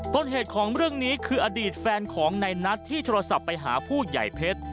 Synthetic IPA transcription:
t̪oː˧nɦeː˨˩t̪̚kʰɔː˩˦ŋɾɯ˥˩əŋniː˦˥kʰɯː˧ʔa˧diː˨˩t̪̚fɛː˧nkʰɔː˩˦ŋna˧jna˦˥t̪ʰːiː˥˩t̪ʰoː˧ɾa˧sa˨˩pːa˧jɦa̰ː˩˦pʰuː˥˩ja̰˨˩jpʰe˦˥t̪̚

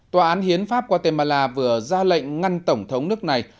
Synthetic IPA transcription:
t̪waː˨ʔaː˨˦nhi˨˦ənfaː˦˥p̚kɔ˧˦t̪e˧˩maː˧˩laː˧vɨ˧˩əzaː˧lə̰˧˨ŋ̟ŋa˧nt̪ə˧˩wŋ͡mt̪ʰə˨˦wŋ͡mnɨ˦˥ək̚na˨˩j

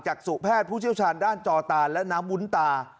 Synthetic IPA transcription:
t͡ɕaː˨˩k̚su˨˩pʰɛː˥˩t̪̚pʰuː˥˩t͡ɕʰi˥˩wt͡ɕʰaː˧ndaː˥˩nt͡ɕɔː˧t̪aː˧lɛ˦˥naː˦˥mwu˦˥nt̪aː˧

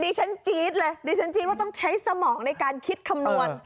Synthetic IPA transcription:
diː˧t͡ɕʰa˦˥nt͡ɕiː˦˥t̪̚lɤː˧jdiː˧t͡ɕʰa˦˥nt͡ɕiː˧˦t̪̚waː˥˩t̪ɔ˥˩ŋt͡ɕʰa˦˥jsa˧mɔː˩˦ŋna˧jkaː˧nkʰi˦˥t̪̚kʰa˧mnu˧ən

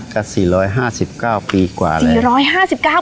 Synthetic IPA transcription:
ka˧˩siː˨˩ɾɔː˦˥jɦaː˥˩si˨˩p̚kaː˥˩wpiː˧kwa̰ː˨˩lːɾɔː˦˥jhaː˥˩si˨˩p̚kaː˥˩w

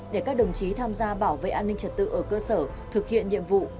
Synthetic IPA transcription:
ɗe˧˩kaː˦˥k̚ɗə˨˩wŋ͡mt͡ɕi˨˦t̪ʰaː˧mzaː˧ɓaː˧˩wvḛ˧˨ʔaː˧nï˧ŋ̟t͡ɕə˨˩t̚t̪ɨ̰˧˨ʔəː˧˩kəː˧səː˧˩ | t̪ʰɨ˨˩k̚hḭ˧˨ənɲḭ˧˨əmvṵ˧˨

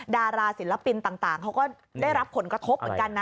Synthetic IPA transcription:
daː˧ɾaː˧si˨˩˦nla˧˩pi˧nt̪aː˨˩ŋt̪aː˨˩ŋkʰa˦˥wkɔː˥˩ | daː˥˩jɾa˦˥pʰːo˩˦nkɾa˧t̪ʰo˦˥p̚ːka˧nːa˧

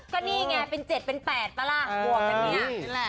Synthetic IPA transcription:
kɔː˥˩niː˥˩ŋɛ˧˩pe˧nt͡ɕe˨˩t̪̚pe˧npɛː˨˩t̪̚pa˧la˧˩hu˨˩ək̚t͡ɕːni˦˥ɐ˥˨

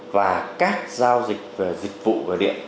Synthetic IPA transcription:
vaː˨˩kaː˦˥k̚zaː˧wzï˨˩k̚və˨˩zï˨˩k̚vṵ˧˨vəː˨˩ɗḭ˧˨ən

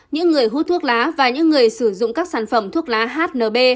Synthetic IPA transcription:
ɲɨ̰˧˥ŋːɨ˨˩əjɦu˧˦˥t̪ʰu˦˥ək̚laː˨˦vaː˨˩ɲɨ̰˧˥ŋːɨ˨˩əjsɨ˧˩zʊ̰˧˨ŋ͡mkaː˦˥k̚saː˧˩nfə˧˩mt̪ʰu˦˥ək̚laː˨˦ɦaː˦˥t̚nəː˨˩ɓe˧

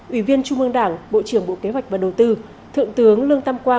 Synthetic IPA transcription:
ʔi˧˩vi˧ənt͡ɕu˧ŋ͡mʔɨ˧əŋɗaː˧˩ŋɓo̰˧˨t͡ɕɨ˧˩əŋɓo̰˧˨ke˨˦ɦwa˨˩jk̟̚vaː˨˩ɗə˨˩wt̪ɨ˧ | t̪ʰɨ̰˧˨əŋt̪ɨ˨˦əŋlɨ˧əŋt̪a˧mkwaː˧

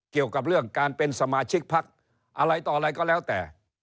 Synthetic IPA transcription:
ki˨˩əwka˨˩p̬̚ɾɯ˥˩əŋkaː˧npe˧nsa˧maː˧t͡ɕʰi˦˥k̚pʰa˦˥k̚ | ʔa˧ɾa˧jt̪ɔː˨˩ɾa˧jkɔː˥˩lɛː˦˥wt̪ɛ̰ː˨˩

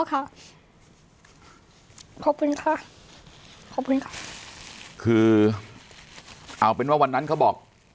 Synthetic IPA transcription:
kʰa˥˩ | kʰɔ˨˩p̚kʰu˧nkʰa˥˩ | kʰɔ˨˩p̚kʰu˧nkʰa˥˩ | kʰɯː˧ | ʔaː˨˩wpe˧nwaː˥˩wa˧nːa˦˥nkʰa˦˥wbɔː˨˩k̚

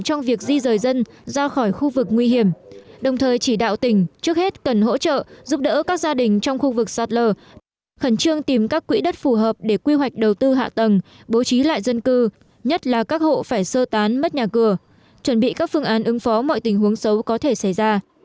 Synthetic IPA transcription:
t͡ɕɔ˧wŋ͡mvi˨˩ək̚zi˧zəː˨˩jzə˧n | zaː˧xɔ˧˩jxu˧vɨ˨˩k̚ŋwi˧hi˧˩əmɗə˨˩wŋ͡mt̪ʰəː˨˩jt͡ɕi˧˩ɗa̰ː˧˨wt̪ï˧˩ŋ̟t͡ɕɨ˦˥ək̚he˦˥t̚kə˨˩nɦo̰˧˥t͡ɕə̰ː˧˨zu˦˥p̚ɗə̰ː˧˥kaː˦˥k̚zaː˧ɗï˨˩ŋ̟t͡ɕɔ˧wŋ͡mxu˧vɨ˨˩k̚sa˨˩t̚ləː˧˩ | xə˧˩nt͡ɕɨ˧əŋt̪i˨˩mkaː˦˥kːwḭ˧˥ɗə˦˥t̚fu˧˩ɦəː˨˩p̚ɗe˧˩kwi˧ɦwa˨˩jk̟̚ɗə˨˩wt̪ɨ˧ɦa̰ː˧˨t̪ə˨˩ŋɓo˨˦t͡ɕi˨˦la̰ː˧˨jzə˧nkɨ˧ | ɲə˦˥t̚laː˨˩kaː˦˥k̚ho̰˧˨faː˧˩jsəː˧t̪aː˨˦nmə˦˥t̚ɲaː˨˩kɨ˨˩ə | t͡ɕwə˧˩nɓḭ˧˨kaː˦˥k̚fɨ˧əŋʔaː˨˦nʔɨ˨˦ŋfɔ˨˦mɔ̰˧˨jt̪ï˨˩ŋ̟ɦu˨˦əŋsə˨˦wkɔ˨˦t̪ʰe˧˩sa˧˩jzaː˧

